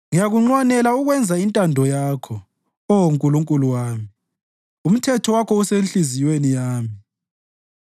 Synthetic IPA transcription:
ŋijaɣuŋ͡ǀwanɛlauɣwɛnd͡zʱaintʼandʱɔjaːkʰɔ | ɔoŋkʼuluŋkʼuluwaːmi | um̩tʰɛtʰɔwakʰɔusenɬizijwenijaːmi

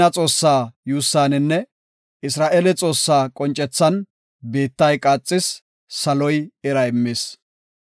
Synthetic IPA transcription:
ɐt͡sʼo̞ːsːaːjuːsːaːnɪnːɛ | ɪsɾaːʔelɛt͡sʼo̞ːsːaːkʼɔnt͡ʃʼɛt͡sːɐn | be̞ːt̪ːɐjkʼaːt͡sʼːɪsː | ɐlɔjɛɾɐɛmːɪːs

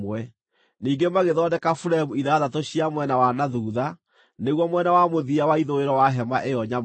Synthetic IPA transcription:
wɛ | niːɡemaɣeðɔdɛkafuɾaemuiðaðatoɕiamwɛnawanaðuːða | neɣwɔmwɛnawamoðiawaiðoeɾɔwaɦɛmaʔejɔɲa

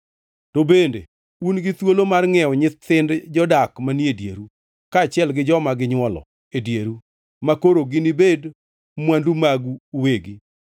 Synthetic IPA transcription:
tobendḛ | unɡɪt̪wolomarŋɛɔɲɪɪndd͡ʒɔdakmaniedjḛɾu | kaːt͡ʃjɛlɡɪd͡ʒɔmaɡɪɲwɔlɔ̰ | edjeɾu | makoɾoɡɪnibed | mwandumaɡuːweɡi

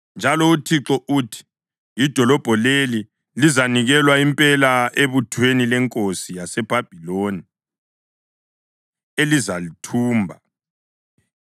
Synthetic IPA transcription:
nd͡ʒʱalɔutʰiǁɔʔuːtʰi̥ | id̥ʱɔlɔb̥ʱɔleli | lizaniɣɛlwaimpʼɛlaʔeβutʰwenilɛŋkʼosijasɛb̥ʱab̥ʱiloni | elizalitʰuːmbʱa

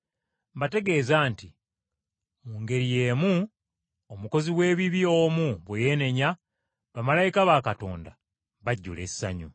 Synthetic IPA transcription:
mbate̞ɡe̞ːzaːnti | muːŋɡe̞ɾije̞ːmu | omuko̞ziwe̞ːβiβio̞muβweje̞ne̞ɲa | βamalajikaβakato̞̰ːnda̰ | βaɟːṵle̞ssa̰ɲṵ

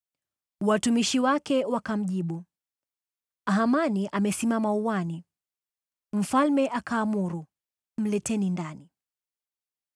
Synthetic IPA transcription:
watumiʃiwakɛwakam̩ʄiɓu | aɦamaniʔamɛsimamauwani | m̩falmɛʔakaːmuɾu | m̩lɛtɛnindani

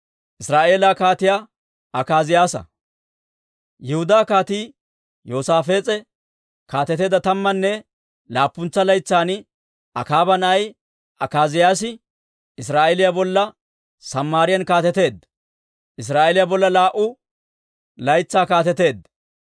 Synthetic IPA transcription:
ʔɪsɾaːʔe̞ːlaːkaːt̪ɪjaː | ʔɐkaːzɪjaːsɐ̰ | jɛhʊd̪aːkaːt̪iː | joːsaːfe̞ːt͡sʼɛ | kaːt̪ɛt̪e̞ːd̪ɐt̪ɐmːɐnːɛ | laːpːʊnt͡sːɐlɐjt͡sːaːn | ʔɐ̰kaːbɐnɐj | ʔɐkaːzɪjaːs̬ɪ | ɪs̬ɾaːʔɛlɪjabɔlːɐ | sɐmːaːɾɪjɐnkaːt̪ɛt̪e̞ːd̪ | ʔɪs̬ɾaːʔelɪjabɔlːɐlaːʔʊ | lɐjt͡sːaːkaːt̪ɛt̪e̞ːd̪

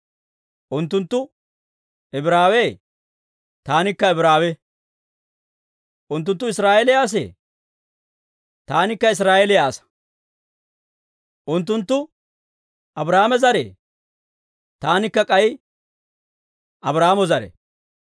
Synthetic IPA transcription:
ʔʊnt̪ːʊnt̪ːʊ | ɛbɾaːweː | t̪aːnɪkːɐɛbɾaːwɛ | ʔʊnt̪̬ːʊnt̪ːʊɪsɾaːelɪjaːs̬ḛː | t̪aːnɪkːɐɪs̬ɾaːelɪjaːsɐ̥ | ʔʊnt̪ːʊnt̪ːʊ | ɐbɾaːmɛzɐɾḛː | t̪aːnɪkːɐkʼɐj | ɐbɾaːmɔzɐɾɛ̰

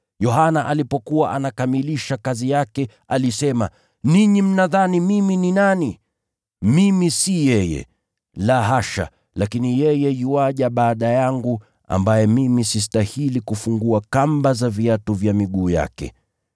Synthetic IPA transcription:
jɔɦanaʔalipɔkuwaʔanakamiliʃakazijakɛ | alisɛma | niɲim̩naðanimimininani | mimisijɛjɛ̰ | laɦaʃa̰ | lakinijɛjɛjiwaʄaɓaːɗajaŋɡu | a̰mbajɛmimisis̬tahilikufuŋɡuakambazaviatuvjamiɠuːja̰kɛ̰

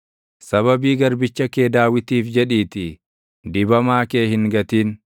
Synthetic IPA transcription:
sɐβɐbiːɡɐɾbɪt͡ʃːɐkeːd̪aːwɪt̪iːfd͡ʒɛᶑiːt̪ɪ | d̪ɪbɐmaːkeːhɪŋɡɐt̪iːn

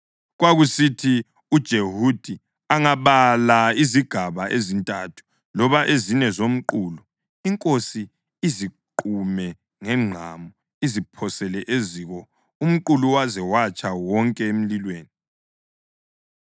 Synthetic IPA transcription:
ɣwaɣusitʰi | ud̥ʒ̥ʱehud̥ʱi | aŋaβalaiziɡ̥ʱaβaʔezintʼatʰu̥ | lɔβaʔeziɲɛzom̩ǃuːlu | iŋkʼosiː | ziǃumɛ | ŋɛŋ͡ǃʱamɔ | izipʰɔsɛlɛʔeziːɣɔ | um̩ǃuluwazɛwat͡ʃʼawɔŋkʼɛem̩lilweːni

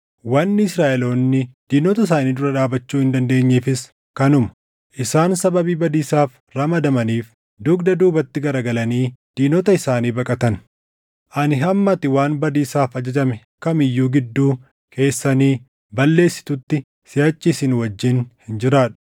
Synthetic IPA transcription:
wɐnːɪɪsɾaːʔɛlo̞ːnːɪd̪̥iːnɔt̪ɐɪs̬aːniːd̪ʊɾɐᶑaːbɐt͡ʃːuːhɪnd̪ɐnd̪e̞ːɲːeːfɪs | kɐnʊmɐ̥ | ʔɪsaːnsɐbɐbiːbɐd̪iːsaːf | ɾɐmɐd̪ɐmɐniːf | d̪ʊɡd̪ɐd̪uːbɐt̪ːɪɡɐɾɐɡɐlɐniːd̪̥iːnɔt̪ɐɪsaːniːbɐkʼɐt̪ɐn | ʔɐnɪɦɐmːɐt̪ɪwaːnbɐd̪iːsaːfɐd͡ʒɐd͡ʒɐmɛ | kɐmɪjːuːɡɪd̪ːuː | kʰe̞ːsːɐniː | bɐlːe̞ːsːɪ̥t̪ʊt̪ːɪ | sɪjat͡ʃːɪsɪnwɐd͡ʒːɪnhɪnd͡ʒɪɾaːᶑʊ̥

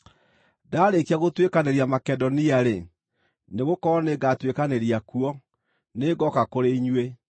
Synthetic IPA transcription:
daːɾekiaɣotwekaneɾiamakɛdɔniaɾe | neɣokɔɔneɡatwekaneɾiakuɔ | neɡɔkakoɾeiɲwe

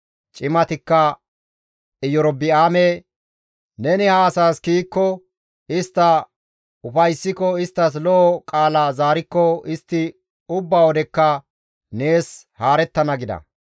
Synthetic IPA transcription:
t͡ʃʼɪmɐt̪ɪkːɐ | ɪjɔɾɔbɪaːme | nɛnɪhaːsaːskiːkːɔ | ɪst̪ːɐ | ʊfɐjsːɪkɔɪst̪ːɐs̬lɔʔɔkʼaːlaːzaːɾɪkːɔɪst̪ːɪ | ʊbːaːwɔd̪ɛkːɐ | ne̞ːs | haːɾɛt̪ːɐnɐɡɪd̪ɐ̰

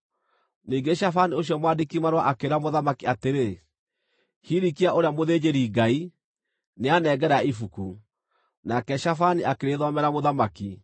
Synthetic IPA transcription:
niːŋɡeʃafanioɕ̬jɔmwadekimaɾwaʔakeɾamoðamakiateɾe | hiɾikiaʔoɾeamoðed͡ʑeɾiːɡai | neanɛɡɛɾaifuku | nakɛʃafaniʔakeɾeðɔmɛɾamoðamaki

